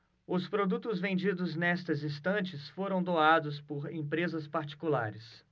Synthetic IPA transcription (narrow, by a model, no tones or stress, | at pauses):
ʊspɾod̪ut̪ʊzvẽnd͡ʒid̪ʊznɛst̪ɐzist̪ɐ̃nt͡ʃɪsfoɾɐ̃w̃d̪oad̪ʊspʊɾḛ̃pɾezɐspaɾt͡ʃi̥kula̰ɾɪs